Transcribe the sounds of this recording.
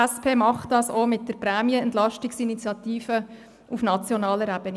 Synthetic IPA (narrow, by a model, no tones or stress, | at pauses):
æspʰeːmɑχtd̥ɑːsomɪt̚dəɾpɾæːmiəɛntlɑʃtɪksinit͡sjɑtiːfə | ufnɑt͡sjɔnɑːləɾæb̥əni